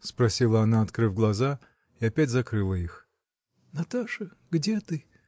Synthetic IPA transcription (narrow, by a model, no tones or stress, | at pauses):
spɾɐsʲilˠəɐnaɐt̪kɾɨvɡlˠɐza | iɐpʲætʲzɐkɾɨlˠəix | nɐt̪aʂə | ɡdʲet̪ɨ